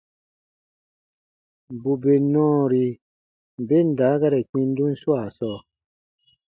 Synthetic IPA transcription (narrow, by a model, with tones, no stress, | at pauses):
bu˨be˨nɔ̃ː˦ɾi˧˨ | be˦n̩˨daː˨˦ɡa˦ɾɛ˨k͡pĩ˧n˦du˦n̩˦swa˨sɔː˦˨